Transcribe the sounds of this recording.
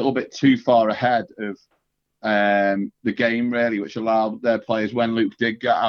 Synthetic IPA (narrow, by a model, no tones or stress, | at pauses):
ʔl̩ˠbɪtʰʉːfɑːɹəhɛdəv̥ | ʌ̃mðəɡẽɪ̃mɹɪəlˠiwɪt͡ʃəlaʊðəpʰl̥eɪəzwə̃nlʉˑk̚d̥ɪɡ̚ɡɔʔa